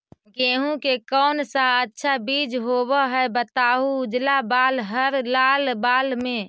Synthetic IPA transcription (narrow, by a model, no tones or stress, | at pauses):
ɡẽːɦũkekɔːnsaətːʃʰabid͡ʒɦobəɦɛebət̪aːɦuːd͡ʒlabaːlɦəɾlaːlbaːlmẽ